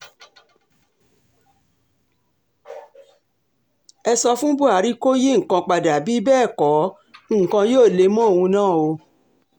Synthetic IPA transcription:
ɛ˧sɔ˧fũ˦bu˦a˨˦ɾi˦ko˦ji˦ŋ̩˨kã˧k͡pa˨da˨bi˨˦bɛː˦˨kɔ˨˦˨ | kã˧joː˦˨le˨˦mɔ̃˦˨wũ˧nãː˦˨o˧

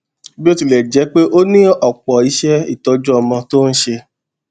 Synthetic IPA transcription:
bi˦o˦ti˨lɛ˨d͡ʒɛ˨˦k͡pe˦ʔo˦nĩ˦ɔ˨k͡pɔ˨i˨˦ʃɛ˦ḭ˦˨tɔ˧d͡ʒɔ˦ɔ˧mɔ̃˧to˦n̩˦ʃe˧

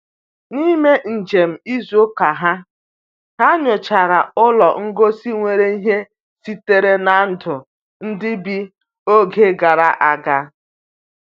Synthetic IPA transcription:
ni˦me˦n̩˨d͡ʒe˨m̩˨i˦zo˦ka˨ɦa˦ | ɦa˦ɲʊ˨t͡ʃa˨ɾa˨ʊ˦lɔ˨ŋ̩˦ɡo˦si˦ŋʷe˨ɾe˦i˦ɦe˦ | si˦te˦ɾe˦na˨˦n̩˦dʊ˨ | n̩˦dɪ˦bi˦ | o˦ɡe˦ɡa˨ɾa˨ʔa˨ɡa˦

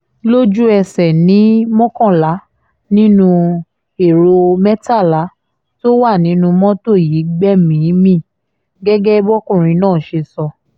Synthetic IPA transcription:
lo˦d͡ʒu˦ɛ˧sɛ˨nĩ˨˦mɔ̃˦kɔ̃˦˨la˨˦ | nĩ˦nũ˧ | e˨ɾo˧mɛ˦ta˦˨la˨˦ | to˦wa˦˨nĩ˨˦nũ˧mɔ̃˦to˦˨ji˨˦ɡ͡bɛ˦mĩ˨˦mĩ˦˨ | ɡɛ˦ɡɛ˦bɔ˦kũ˦˨ɾ̃ĩ˧nãː˦˨ʃe˧sɔ˧

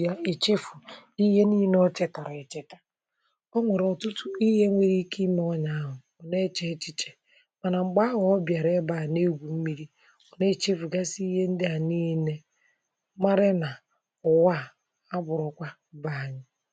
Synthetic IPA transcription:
ja˦ɪ˨t͡ʃi˦fʊ˨i˦ɦe˦ni˦nɔ˦t͡ʃe˦ta˨ɾa˨e˨t͡ʃe˦tḁ˨ | ɔ˦ŋʷe˨ɾɔ˨tʊ˦tʊ˦i˦ɦe˦ŋʷe˦ɾi˦ki˦m˦ɔ˦ɲa˨˦ɦʊ˨ | ɔ˨ne˦t͡ʃe˦t͡ʃi˦t͡ʃe̥˨ | ma˨na˨ŋ͡m̩˨ɡ͡ba˦a˦ɦʊ˨ɔ˦bja˨ɾe˦ba˨ne˦ɡʷu˨m̩˦mi˦ɾi˦ | ɔ˨ne˦˨t͡ʃi˦fu˨ɡa˦si˦i˦ɦe˦n̩˦dɪ˦a˨niː˦ne˦ | ma˦ɾɪ˦na˨ | ʊ˨wa˦˨ | a˦bʊ˨ɾɔ˨kʷa˦ba˨ɲɪ˦

